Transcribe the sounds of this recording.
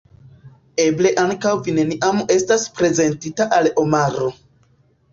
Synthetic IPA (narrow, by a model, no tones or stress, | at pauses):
e̞ble̞ʔaŋkawvine̞niʔamuʔe̞staspɾe̞ze̞ntitaʔalo̞maɾo̞